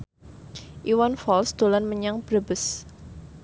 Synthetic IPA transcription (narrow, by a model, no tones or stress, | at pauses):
ʔiwanfɔlsd̪̥olanməɲaŋpɾəbəs